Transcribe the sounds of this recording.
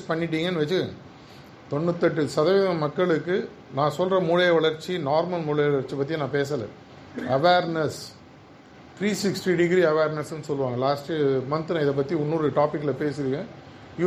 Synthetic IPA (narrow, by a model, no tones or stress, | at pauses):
spɐɳːɪʈ̬ːiːŋɡɐnːɯʋɐt͡ʃːɯɐ | t̪ɔnːɯt̪ːɐʈːɯsɐðɐʋɪðɐɐmɐkːɐɭɯkːɯ | nãːsɔlrɾɐmuːɻɐjɐʋɐɭɐɾt͡ʃːinaːɾmɐlmuːɭɐjɐʋɐɭɐɾt͡ʃːipɐt̪ːijɐ̃nãːpeːsɐlɛ̰̃ | ɐʋeːɾnɐs | t̪ʰɾiːsɪksʈiɖɪɡɾiɐʋeːɾnɐsɯnːɯsɔlːɯʋaːŋɡɐlaːsʈɯmɐnt̪ɯlɐ̃ɪðɐp̬ːɐt̪ːiʊnːuːɾɯʈaːpɪkːɪlɐpeːsɪɾɯŋɡɐ̃ | ɪ